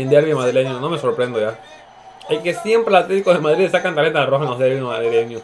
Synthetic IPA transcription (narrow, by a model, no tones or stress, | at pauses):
end̪eɾβiomaðɾileɲono̞me̞so̞ɾpɾe̞nd̪oʝa | ekesje̞mpɾeat̪let̪ikozðe̞maðɾiðsakant̪alent̪alaroxaenlozðeɾβima̰ðɾile̞ɲo